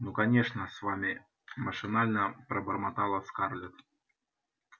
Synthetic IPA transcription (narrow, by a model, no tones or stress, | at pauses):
nukɐnʲeʂnəsvamʲi | məʂɨnalʲnəpɾəbərmat̪alˠəskarlʲʊt̪